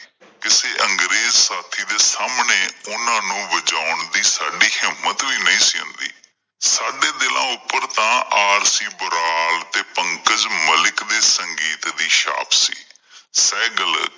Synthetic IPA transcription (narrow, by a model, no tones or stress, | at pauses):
kɪseːʔəŋɡɾeːzsaːt̪ʰiːd̪eːsaːmɳeːʊnãːnũːʋəd͡ʒaːʊɳd̪iːsaːɖiːhɪmːət̪ʋiːnəĩːsiːʊ̰̃nd̪ḭː | saːɖeːd̪ɪlʔã̰ːʊpːəɾt̪ãːʔaːɾsiːbʊɾaːlt̪eːpəŋkəd͡ʒməlɪkd̪eːsəŋɡiːt̪d̪iːʃa̰ːpʰsḭː | sɛːɡələ